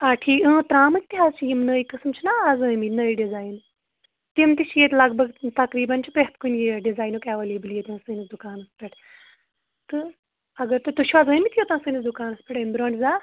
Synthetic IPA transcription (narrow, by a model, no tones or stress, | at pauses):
aːʈʰiːkə̃ːt̪ɾaːmik̚t̪iɦaːst͡ʃʰijimnəːikɨsmt͡ʃʰinaɐzɨ̃ːminəːiɖizaːjn | t̪imt̪it͡ʃʰjet̪lɐɡbʱɐɡt̪ɐkɾiːbɐnt͡ʃʰipeɦt̪kunjeɖizaːjnoːkʲaʋeːleːbljet̪ãːsɨnisd̪ukaːnɐspʲeʈʰ | t̪ɨ | ɐɡɐɾt̪ut̪uʃʰuazɨ̃ːmit̪ʰijot̪ãːsɨnisd̪ʊkaːnɐspʲɛʈɐmbɾõːɳɖzaː